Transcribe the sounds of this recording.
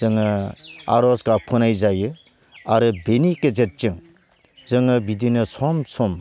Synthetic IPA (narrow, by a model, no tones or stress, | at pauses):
zɯŋɯa̰ɾɔskapʰunajzajɯ | aɾɯbenikezet̚t͡ʃɯŋ | zɯŋɯbidinɯsɔmsʰɔm